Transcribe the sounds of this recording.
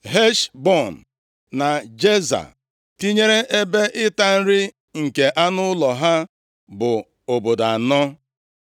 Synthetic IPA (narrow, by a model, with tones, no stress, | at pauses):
ɦe˦ʃbɔ˦˨n̩˨ | na˨d͡ʒe˦za̰˨ | ti˦ɲe˦ɾe˦ʔe˦be˦ʔɪ˦ta˦n̩˦ɾɪ˦ | ŋ̩˨ke˨ʔa˦nʊ˦lɔ˨ɦa˦ | bʊ˨ | o˨bo˨da˨nɔ˦